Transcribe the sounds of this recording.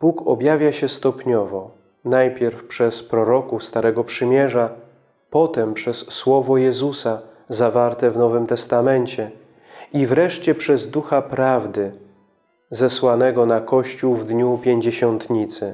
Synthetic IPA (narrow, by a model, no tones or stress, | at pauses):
b̥ukɔ̰bʲjavʲjaɕɛst̪ɔpɲɔvɔ | najpʲjɛɾfpʂɛspɾɔɾɔkufst̪aɾɛɡɔpʂɘmʲjɛʐa | pɔt̪ɛmpʂɛsːwɔvɔjɛzusa | zavaɾt̪ɛvnɔvɘmt̪ɛst̪amɛɲt͡ɕɛ | ivɾɛʂt͡ɕɛpʂɛzd̪uxapɾavd̪ɘ | zɛswanɛɡɔnakɔɕt͡ɕuwvd̪ɲupʲjeɲd͡ʑeɕɔnt̪ɲit̪sɘ